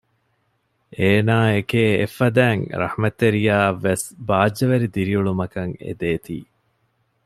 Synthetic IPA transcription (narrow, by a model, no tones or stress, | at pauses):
eːnaːekeːḛfːɐd̪æːŋɾɐ̰hmɐt̪ːeɾijaːʋːesbaːd͡ʒːɐʋeɾid̪iɾiuɭumɐkɐŋḛd̪eːt̪ḭː